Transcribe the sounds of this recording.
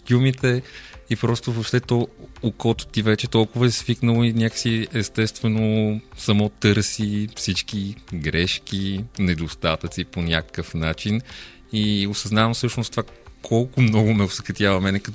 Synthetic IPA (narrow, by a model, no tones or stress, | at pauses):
k̪ʲumit̪ɛipɾɔst̪ʊvopʃt̪ɛt̪ɔokɔt̪ʊ̥t̪ivɛt͡ʃɛt̪ɔlˠkʊvəɛsviknəlˠoinʲakə̥siɛst̪ɛst̪vɛnosɐmɔt̪ɤɾsifsit͡ʃk̟iɡɾɛʃk̟inɛd̪ost̪at̪ət̪siponʲakə̥kəfnat͡ʃin | iosɐznavɐmfsɤʃnost̪v̥akʰɔlˠkʊmnɔɡʊmɛosəkɐt̪ʲjavɐmɛnɛkɐt̪